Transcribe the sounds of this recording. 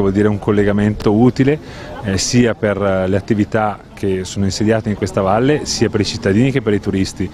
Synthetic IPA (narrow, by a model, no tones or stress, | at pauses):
vɔld̪iːɾeuŋkolːeɡament̪ouːt̪ile | siːaperleat̪ːivit̪ak̟ʰesoːnoinsed̪jaːt̪eiŋkwest̪avalːesiːapeɾit͡ʃit̪ːad̪iːnik̟epːeɾit̪uɾist̪i